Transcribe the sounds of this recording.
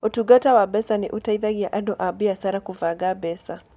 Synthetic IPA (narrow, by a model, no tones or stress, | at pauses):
ɔtuɡatawabɛsaniʔutaiðaɡiaʔadɔʔabiasaɾakuvaɡabɛsa